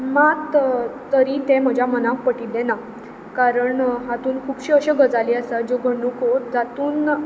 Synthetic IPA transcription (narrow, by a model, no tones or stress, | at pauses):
mat̪t̪əɾit̪em̤əd͡ʑʱjamənãk̚pəʈid̪ɛ̃na | kaɾəɳɦat̪uːnkʰuːbɕiːəɕeɡʱəd͡zaliːəsat̪̚d͡ʑoɡʱəɳukɦod͡zat̪uːn